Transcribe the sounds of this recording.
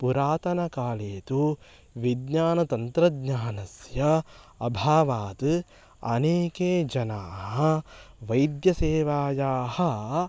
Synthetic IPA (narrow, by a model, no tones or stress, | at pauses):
puɾaːt̪ɐnɐkaːleːt̪u | ʋid̪ɲaːnɐt̪ɐnt̪ɾɐd̪ɲaːnɐsjɐ | ɐbʱaːʋaːt̪ɨ | ɐ̰neːkeːd͡ʒɐnaːɦɐʋɐjd̪jɐseːʋaːjaːhɐ